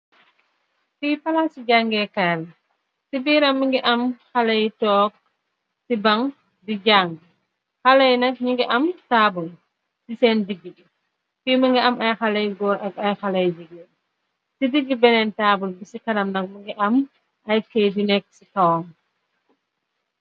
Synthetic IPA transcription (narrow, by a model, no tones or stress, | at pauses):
fipalasiɟaŋɡɛkaːl | sibiːɾɐmːiŋɡiʔamxalajtɔːk̚ | sibaŋ | diɟaŋɡ | xalajnɐk̚ɲiŋɡiʔɐmtaːbul | sisɛːndiɡiɡi | fiməŋɡiamajxalɐjɡɔːɾʔɐk̚ajxalajd͡ʒiɡɛ | sidiɡːibɛnɛntaːbulbisikanamnɐk̚miŋɡiʔɐm | ʔajkejdinɛk̚sikawɔŋ